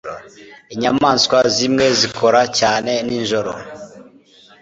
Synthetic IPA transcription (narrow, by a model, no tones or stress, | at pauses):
iɲamaːnskwazimŋe̞zikʰo̞ɾacaːne̞ninʒo̞ɾo̰